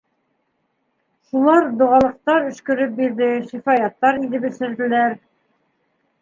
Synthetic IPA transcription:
ʃulˠɑɾd̪ŏʁɑlˠɤ̆q̚t̪ɑɾɵ̆ʃkɵ̆ɾɘp̚biɾðɘʃifɑjɑt̪ːɑɾiðɘpɘ̆sɘ̆ɾd̪ɘ̆læɾ

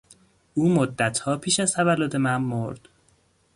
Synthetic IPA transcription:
ʔuːmod̪ːæt̪ʰhɒːpʰiːʃæzt̪ʰævælːod̪e̞mænmoɾd̪̥

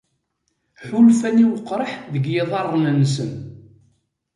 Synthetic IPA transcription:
ħulfæniwəqːɾˤəħðəɡjɪðˤɑrˤːnənːsəm

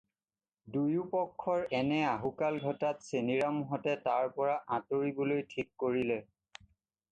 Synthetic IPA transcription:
dujupɔkʰːɔɹɛnɛaɦukalɡʱɔtatseniɹamuɦɔtɛtaɹpɔɹaʔãtoɹibolojtʰikːoɹilɛ

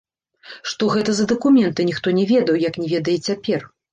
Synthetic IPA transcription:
ʂt̪ɔɣɛt̪ɐzɐd̪ɐkumʲɛnt̪ɨnʲixt̪ɔnʲɛvʲɛd̪ɐwjɐknʲɛvʲɛd̪ɐjɛt͡sʲapʲɛr

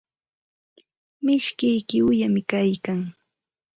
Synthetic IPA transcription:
mɪʃkɪjkɪʊjamɪkajkaŋ

